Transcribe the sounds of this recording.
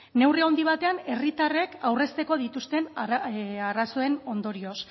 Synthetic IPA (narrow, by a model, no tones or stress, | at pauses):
ne̞wriond̪iβ̞at̪e̞ane̞rit̪are̞kawre̞st̪e̞ko̞ð̞it̪ust̪e̞n | araso̞e̞no̞nd̪o̞ɾio̞s